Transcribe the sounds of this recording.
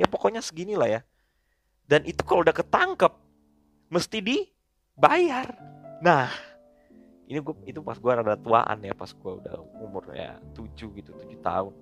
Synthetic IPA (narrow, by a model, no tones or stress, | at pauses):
japokoɲasəɡinilahja | danʔit̪ukaloudahkət̪aŋkəp̚ | məst̪idi | bajarnah | iniɡuait̪upasɡuaɾadat̪ua̰ʔa̰njapa̰sɡuaṵda̰humʊrja̰t̪ud͡ʒuɡit̪ut̪ud͡ʒut̪a̰ʊn